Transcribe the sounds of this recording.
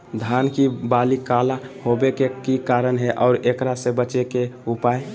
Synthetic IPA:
d̪ʱaːnkibaːlikalahobekekikaɾənɦɛʔɔʊɾekɾasebət͡ʃekeupaːe

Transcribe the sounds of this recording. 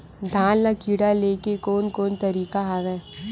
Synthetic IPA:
d̪ʱãːlnakiːɽaleːkekoːnkoːnt̪ɐɾiːkaɦaːʋɛ

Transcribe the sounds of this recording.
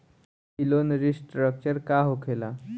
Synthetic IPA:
ilonɾisʈɾək̚t͡ɕəɾkaɦokʰela

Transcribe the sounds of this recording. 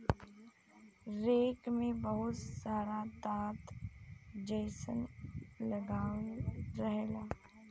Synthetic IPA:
ɾeːkmẽbɐɦʊt̪saːɾat̪aːt̪ | d͡ʒeːsənlɐɡaːɾɐɦelaː

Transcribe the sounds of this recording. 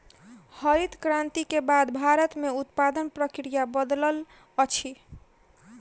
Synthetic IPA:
həɾit̪kɾãnt̪ikebad̪bʱaɾət̪meut̪pad̪ənpɾəkɾijabəd̪ləl | ət͡ʃʰi

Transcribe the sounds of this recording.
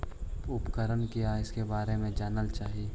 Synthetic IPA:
ʊpkəɾənkijaɪskebaːɾemẽd͡ʒaːnəlt͡ʃaːɦie

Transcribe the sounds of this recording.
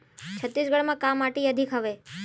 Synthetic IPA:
t͡ʃʰət̪ːisɡəɽmãkamːaʈiəd̪ʱikʰɦəʋe

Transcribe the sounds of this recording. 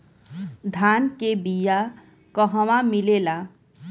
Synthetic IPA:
d̪ʱankebija | kɔɦɔwamilela

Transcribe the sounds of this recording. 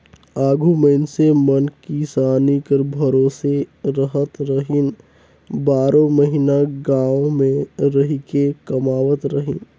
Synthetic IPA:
aːɡʱuməɪnsemɐnkisaːnikəɾbʱɐɾoːseɾəɦət̪ɾəɦɪn | baːɾõməɦinaɡãːʋomẽɾɐɦikekɐmaːʋət̪ɾəɦɪ̰̃n

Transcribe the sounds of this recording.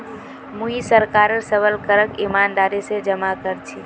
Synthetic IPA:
muisəɾkaɾəɾsəbəlkəɾəkimand̪aɾised͡ʒəmakəɾt͡ʃʰi

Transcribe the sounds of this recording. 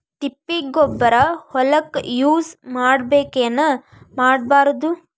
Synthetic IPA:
t̪ipːiɡɔbːɐɾɐhɔlɐkjuːsmaːɽbeːkeːnːɐ | maːɽbaːɾɐd̪u

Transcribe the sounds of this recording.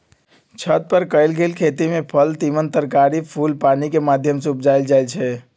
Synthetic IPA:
t͡ʃʰət̪̚pəɾkəɪlɡelkʰet̪imepʰəlt̪imənt̪əɾkaɾipʰulpanikemad̪ʱjəmseupd͡ʒaɪld͡ʒaɪlt͡ʃʰɛ

